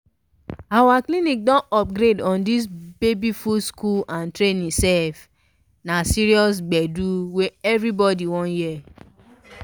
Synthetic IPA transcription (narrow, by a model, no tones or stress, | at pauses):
awaklĩnĩk̚dɔ̃nʔɔp̚ɡɾedɔ̃ndis̬bebifuskulãntɾẽnĩsɛlf | nasiɾiɔs̬ɡ͡bɛduweɛvɾibɔdiwɔ̃jɛ